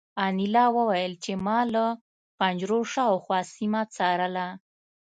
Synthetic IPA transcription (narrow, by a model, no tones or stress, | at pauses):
ɑnilɑwəwajəlt͡ʃemɑlə | pand͡ʒɾoʂaawxwɑsimat͡sɑɾəla